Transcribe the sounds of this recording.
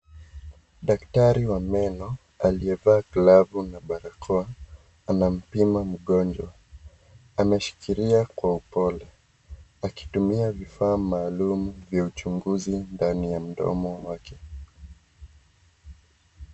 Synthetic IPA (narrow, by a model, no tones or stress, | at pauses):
ɗaktaɾiwamɛnɔ | aliɛvaːklavunaɓaɾakʰɔa | anam̩pimam̩ɠɔnd͡ʒwa | amɛʃi̥kiɾiakwaupɔlɛ | aki̥tumiavifaːmaːlumuvjaut͡ʃuŋɡuzindanijam̩ɗɔ̰mɔmwakɛ